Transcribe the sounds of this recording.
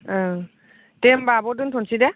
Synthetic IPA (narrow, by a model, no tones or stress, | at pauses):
tɛmbabɔd̬untʰɔnsidɛ